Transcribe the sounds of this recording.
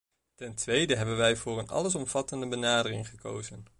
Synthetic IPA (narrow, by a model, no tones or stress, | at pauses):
tɛntʋejdəɦɛbənʋɛjvʊːrənɑ̰ləs̬ɔmv̥ɑtəndəbənaːdərɪŋχəko̰wzən